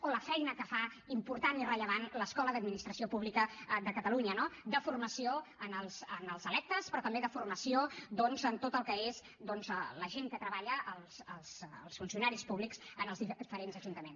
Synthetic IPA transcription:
oləfɛjnəkəfa | impuɾt̪anirəʎəβ̞anləskɔləðəd̪̚minist̪ɾəsiopuβlikəðəkət̪əluɲənod̪əfurməsioənəlˠzənəlˠzəlɛk̚t̪əspɾɔt̪əmbeðəfurməsiod̪ɔnzənt̪ot̪əlˠkəez | d̪ɔnzələʒeŋkət̪ɾəβaʎəʔːlˠsəlˠslˠsfunsiunaɾispuβliksənəlˠzifəɾenzəʒunt̪əmens

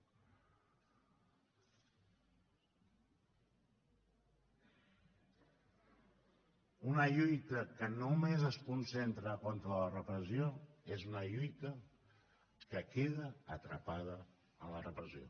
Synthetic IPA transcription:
unəʎujt̪əkənumezəskunsent̪ɾəkont̪ɾələrəpɾəzioezunəʎujt̪ə | kəkeðəət̪ɾəpað̞ə | ənlərəpɾəzio̰

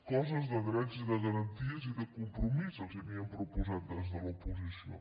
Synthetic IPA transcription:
kɔzəzd̪əɣɾɛd͡ʒid̪əɣɐɾɐnt̪iəzid̪əkumpɾumizəzɛmiəmpɾupuzat̪̚d̪ɛzd̪əlupuzisio̰

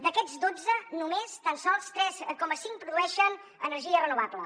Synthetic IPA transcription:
d̪əkɛd͡zd̪od͡zənumest̪ansɔlˠst̪ɾɛskɔməsiŋkpɾuðuɛʃən | ə̰nəɾʒiərənuβ̞ablə

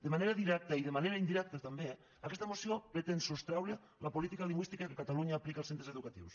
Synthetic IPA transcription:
d̪emaneɾaðiɾɛk̚t̪aiðemaneɾaind̪iɾɛk̚t̪at̪ambe | akest̪amosjopɾet̪ensust̪ɾawle | lapolit̪ikaliŋɡwist̪ikakekat̪aluɲaːplikalˠsent̪ɾeseðukat̪ḭws

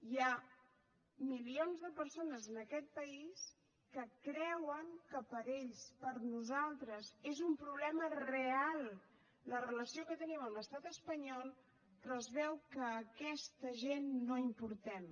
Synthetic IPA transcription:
ja | milionzðəpəɾsonəzənəkɛt̪̚pəis | kəkɾɛwəŋkəpəɾeʎspəɾnuzalˠt̪ɾəzezumpɾuβlɛmərealˠ | lərələsiokət̪əniməmləst̪at̪əspəɲɔlˠ | rəzβɛwkəːkɛst̪əʒenːoimpuɾt̪ɛm

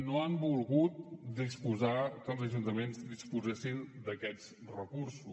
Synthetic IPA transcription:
noambulˠɣut̪̚d̪ispuzakəlˠzəʒunt̪əmenzd̪ispuzesind̪əkɛt͡s | rəkuɾsu

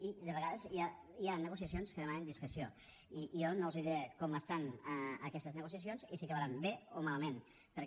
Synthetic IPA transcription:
id̪əβəɣaðəzia | ianːəɣusiəsionskəðəmanənd̪iskɾəsio | ijɔnoəlˠziðiɾekɔməst̪anəəkɛst̪əznəɣusiəsionzisikəβɾambeomaləmen | pəɾ

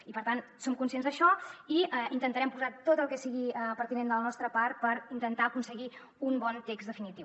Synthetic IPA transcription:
ipəɾt̪ansomkunsienzðəʃɔiɛint̪ənt̪əɾɛmpuzat̪ot̪əlˠkɛsiɣiəpəɾt̪inend̪ələnɔst̪ɾəpart̪̚pəɾint̪ənt̪aəkunsəɣi | umbɔnt̪ekzd̪əfinit̪iw

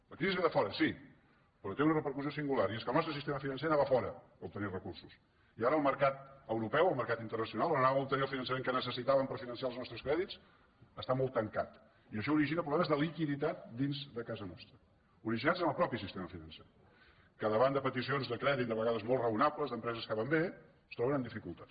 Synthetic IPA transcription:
ləkɾizizieðəfɔɾəsi | pɾɔt̪eunərəpəɾkuziosiŋɡulaɾieskəlˠnɔst̪ɾəsist̪eməfinənsenaβəfɔɾə | up̚t̪ənirəkursus | iaɾəːlˠməɾkat̪əwɾupɛwəlˠməɾkat̪int̪ərnəsiunalˠnənaβup̚t̪əniəlˠfinənsəmẽŋkənəsəsit̪aβəmpəɾfinənsialznɔst̪ɾəskɾɛðit͡s | əst̪amɔlˠt̪ːəŋkat̪ | iəʃɔuɾiʒinəpɾuβlɛməzðəlikiðit̪at̪̚d̪inzðəkazənɔ̰st̪ɾə | uɾiʒinad͡zənəlˠpɾɔpisist̪eməfinənse | kəðəβand̪əpət̪isionzðəkɾɛðit̪d̪əβəɣaðəzmɔlˠtrəunapləzðəmpɾɛzəskəβambe | st̪ɾɔβənənd̪ifikulˠt̪as

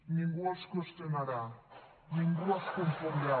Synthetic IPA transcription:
ɲiŋɡuaskost̪enaɾa | ɲiŋɡuaskompoɾia

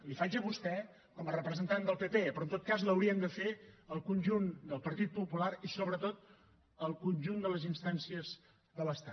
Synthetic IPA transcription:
lifad͡ʒəβust̪ɛ | kɔmərəpɾəzənt̪and̪əlˠpepepɾɔnt̪ot̪̚kazləwɾiənd̪əfeəlˠkunʲʒund̪əlˠpəɾt̪it̪̚pupulaɾisoβɾət̪ot̪̚ | əlˠkunʲʒund̪ələzinst̪ansiəz | ðələst̪a

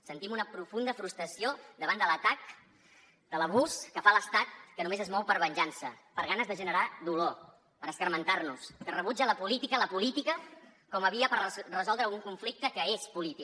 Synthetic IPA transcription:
sənt̪imunəpɾufund̪əfɾust̪ɾəsiod̪əβand̪ələt̪ak | d̪̥ələβuskəfaləst̪at̪̚kənumezəzmɔwpəɾβənʲʒansəpəɾɣanəzðəʒənəɾaðulo | pəɾəskəɾmənt̪arnuskərəβud͡ʒələpulit̪ikələpulit̪ikəkɔməβiəpəɾrəzɔlˠd̪ɾəːlˠɣuŋkuɱflik̚t̪əkəespulit̪i

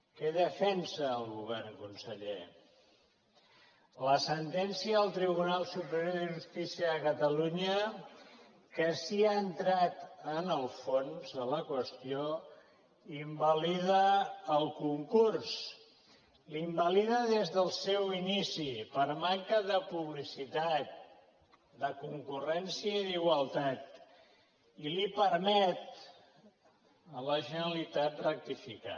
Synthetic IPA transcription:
keðəfɛnsəːlˠɣuβɛrŋkunsəʎḛ | ləsənt̪ɛnsiəːlˠt̪ɾiβunalˠsupəɾjoðəʒust̪isiəːkət̪əluɲə | kəsiaənt̪ɾat̪ənəlˠfonzələkwəst̪io | imbəliðəːlˠkuŋkurs | limbəliðəðezðəlˠsɛwinisipəɾmaŋkəðəpuβlisit̪at̪̚ | d̪əkuŋkurɛnsiəiðiɣwəlˠt̪at̪ | ilipəɾmɛt̪̚ | ələʒənəlit̪at̪rək̚t̪ifika̰

